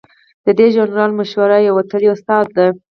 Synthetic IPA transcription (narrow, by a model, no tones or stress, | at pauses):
d̪̥əd̪eʒanɾɑlmaʃwaɾajawat̪əliʊst̪ɑd̪̚ːaj